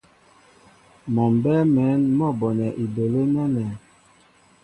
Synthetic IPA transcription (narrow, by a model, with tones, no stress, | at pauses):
mɔ˨m˨bɛ˦mɛ˨˦nmɔ˦˨bɔ˨nɛ˨ʔi˨be˨le˦nɛ˦nɛ˨